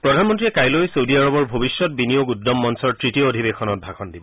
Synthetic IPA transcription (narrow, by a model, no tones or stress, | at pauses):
pɹɔdʱanmɔntɹiɛkajlojsowdiaɹɔbɔɹbʱobiʃjɔt̚binijoɡudɔmːɔnsɔɹtɹitioodʱibexʰɔnɔt̚bʱakʰɔndibɔ